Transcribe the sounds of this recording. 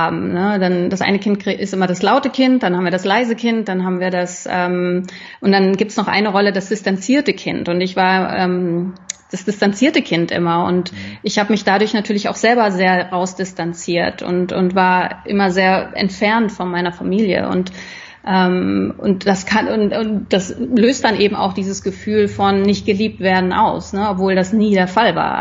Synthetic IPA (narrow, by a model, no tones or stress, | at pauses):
haːbm̩nədand̥asʔa̰ɪnəkʰɪnt̚kiʔɪstʔɪmɐɾaslaʊtəkʰɪnt̚d̥anhaːbm̩viɐdaslaɪzəkʰɪnt̚d̥anɦaːbm̩viːɐdasʔɛːm | ʔʊntd̥anɡiːp̚təsnɔχʔa̰ɪnəʁɔlədasd̥ɪstant͡siːɐtəkʰɪntʊntɪçv̥aːɐʔɛ̰ːmd̥asd̥ɪstant͡siːɐtəkʰɪntʔɪ̰mɐʊ̰ntʔɪçhaːbəmɪçd̥adʊɐçnatʰyːɐlɪça̰ʊxz̥ɛlbɐzeːɐʁaʊsd̥ɪstant͡siːɐtʊ̰ntʊ̰ntv̥aːɐʔɪ̰mɐzeːɐʔɛ̰ntfɛɐntfɔnmaɪnɐfamiːljə̰ʔʊ̰nt | ʔɛːmʊ̰ntd̥askʰaʊntʊd̥asløːst̚d̥anʔeːbm̩a̰ʊxd̥iːzəsɡ̥əfyːlfɔnːɪçt̚ɡ̥əliːp̚tv̥eːɐdn̩ʔa̰ʊsnəɔpv̥oːldasniːdeːɐfalva̰ːɐ